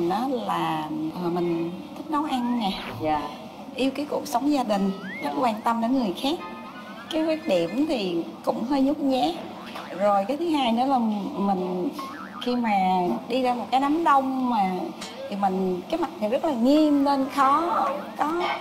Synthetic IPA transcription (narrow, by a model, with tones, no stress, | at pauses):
nʔɔː˨˦laː˨˩˨mï˨˩ŋ̟t̪ʰi˦˥k̚nə˨˦wʔa˧nnɛ˨˩ | ʔi˧wkaː˨˦jku˨˧˩ək̚sə˨˦wŋ͡mzaː˧ɗï˨˩ŋ̟zə˦˥t̚kwaː˧nt̪ə˧mɗe˨˦nŋɨ˨˩əjxaː˦˥k̚ː | aː˨˦jvaː˨˦˥t̚ɗi˧˩əmt̪ʰi˨˩kʊ̰˧˥ŋ͡mhəː˧jɲʊ˦˥k͡p̚ɲɛ˨˦ | zo˨˩jkaː˨˦jt̪ʰɨ˨˦ɦaː˧jnɔ˨˦laː˨˩mï˨˩ŋ̟ | xi˧maː˨˩ɗi˧zaː˧mo˨˩t̚kaː˨˦jna˨˦mɗə˧wŋ͡mmaː˨˩ | t̪ʰi˨˩mï˨˩ŋ̟kaː˨˦jma˨˩t̚t̪ʰi˨˩zə˦˥t̚laː˨˩ŋi˧əmle˧nxɔ˨˦kɔ˨˦